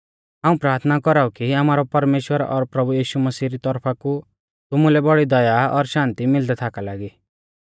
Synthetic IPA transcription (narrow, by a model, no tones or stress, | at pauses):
ɦãːũpɾaːɾt̪ʰnakɔɾaukiamaːɾɔpɐɾmeːʃwəɾɔ̰ɾpɾɐbujiːʃumɐsiːɾit̪ɔɾpʰaku | t̪ʊmũlɛbɔɽid̪ɐjaɔɾʃãːnt̪imɪld̪ɛt̪ʰakalaːɡi